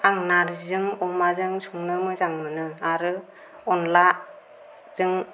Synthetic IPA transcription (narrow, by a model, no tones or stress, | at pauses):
aŋnaɾzɯŋɔmazɯŋsuŋnɯmɯzaŋmɯnɯaɾɯ | ɔnla | zɯŋ